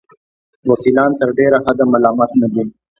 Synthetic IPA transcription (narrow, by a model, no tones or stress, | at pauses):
wakilɑːnt̪əɾɖeɾahad̪amalɑmɑːt̪nad̪i